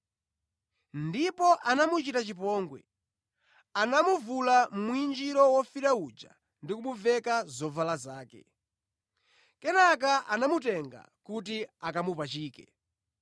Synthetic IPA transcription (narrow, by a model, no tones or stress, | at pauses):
ndipɔʔanamut͡ʃitat͡ʃip̬ɔːŋɡwɛ̰ | anamuvulamuind͡ʒiɾɔwɔfiɾaud͡ʒa̰ | ndikumuvɛkazɔvalazaːkɛ̰ | kɛnak̬aʔanamutɛŋɡa̰kut̬iakamupat͡ʃiːkɛ